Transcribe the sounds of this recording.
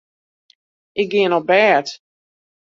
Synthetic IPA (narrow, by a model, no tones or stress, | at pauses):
ʔɪk̚ɡɪənɔbɛːt